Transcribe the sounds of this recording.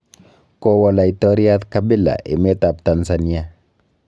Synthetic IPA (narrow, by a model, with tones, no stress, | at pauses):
kɔwɔ˨la˨i˨tɔ˦ɾja˦t̪kabɪ˦la̰˨ʔḛ˨mɛ˦t̪a˨p̚t̪a˨nsani˦a˦